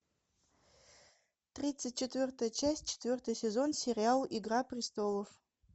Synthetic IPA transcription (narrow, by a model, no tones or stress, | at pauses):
trʲit͡sʰːɨt̚ʲt͡ʃʰetʰvʲɨrtʰajt͡ʃʰasʲt͡ʃʰe̥tʰvʲɨrtʰasʲezo̞nsʲerʲialiɡrapʰrʲistʰoləf